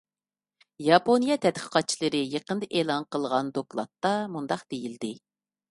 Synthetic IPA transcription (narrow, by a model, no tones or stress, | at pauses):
jɑponijɑt̪ʰɛt̪qʰə̥qʰɑt̪̚t͡ʃʰilˠəɾɨjəqənd̪ɨʔeːlˠɑnqəlˠʁɑnd̪oklˠɑ̰t̪ːɑmund̪ɑqd̪̥ejild̪ɪ